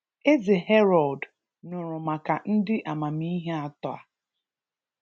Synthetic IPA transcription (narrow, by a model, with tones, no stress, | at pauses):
e˦ze˨ɦe˦ɾɔ˨d | nʊ˨ɾʊ˨ma˨ka˨n̩˦dɪ˦ʔa˨ma˨mi˦ɦe˦a˦tɔ˦a̰˨